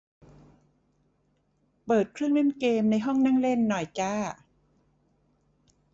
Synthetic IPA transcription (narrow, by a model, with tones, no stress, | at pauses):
pɤː˨˩t̪̚kʰɾɯ˥˩əŋle˥˩nkeː˧mna˧jɦɔ˥˩ŋnaː˥˩ŋle˥˩nːɔ˨˩jt͡ɕaː˥˩